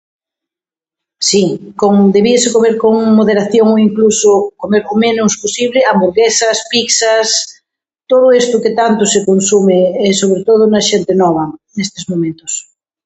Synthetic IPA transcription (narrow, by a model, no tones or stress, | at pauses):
sikoŋd̪eβiesekomeɾkoŋmoðeɾaθjoŋoiŋklusokomeɾomẽnosposiβleambuɾɣesaspiksas | t̪oðoest̪oket̪ant̪osekonsumeːsoβ̞ɾet̪oð̞ounaʃent̪enɔβ̞anest̪ezmõmẽnt̪os